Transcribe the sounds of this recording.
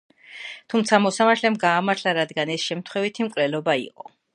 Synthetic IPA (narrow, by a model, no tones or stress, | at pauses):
t̪ʰumt̪sʰamɔsamaɾt̪ʰlɛmɡaːmaɾt̪ʰlaɾad̪ɡanɛsʃɛmt̪ʰχwɛvit̪ʰimkʼwlɛlɔbaḭqʼɔ̰